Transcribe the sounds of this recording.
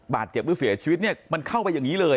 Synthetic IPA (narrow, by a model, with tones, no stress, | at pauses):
baː˨˩t̪̚t͡ɕe˨˩p̚lu˦˥si˩˦t͡ɕʰiː˧wi˦˥t̪̚ni˥˩ɐma˧nkʰa˥˩wpa˧jːa˨˩ŋiː˦˥lɤː˧